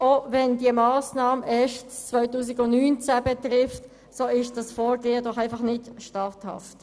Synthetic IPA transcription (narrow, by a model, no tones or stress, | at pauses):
ovɛndiəmɑːsnɑːməʔɛʃtt͡sʋœʏtuːs̬ɪɡʊnnyːnt͡sæbɛt̪ɾɪft | soːɪʃd̥ɑsfɔːɾɡeːədɔχæɪfɑχnɪtʃtɑːthɑ̰ft